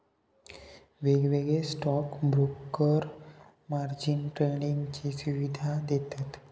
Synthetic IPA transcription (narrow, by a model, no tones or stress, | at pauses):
ʋeɡʋeɡesʈɔkbɾukːəɾ | maɾd͡ʑinʈɾeniŋɡt͡ɕisuʋid̪ʱad̪et̪at̪